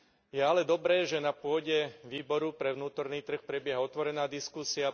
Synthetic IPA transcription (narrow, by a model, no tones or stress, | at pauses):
jɛalɛd̪ɔbɾɛːʒɛnapʊɔɟɛʋiːbɔɾupɾɛʋnuːt̪ɔɾniːt̪r̩xpɾɛbjɛɦaɔt̪ʋɔɾɛnaːd̪iskusia